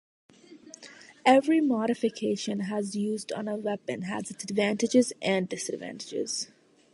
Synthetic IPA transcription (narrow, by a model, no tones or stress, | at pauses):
ɛʋɾimɔːɾɪfɪkʰeːʃə̃nɦæzjuːzɖɔ̃ːnəʋɛpə̃nɦæ̰zɪəɖʋæ̃ːnʈɪd͡ʒɪzʔæ̃ɳɖɖɪsəɖʋæ̰̃nʈɪd͡ʒɪ̰z̥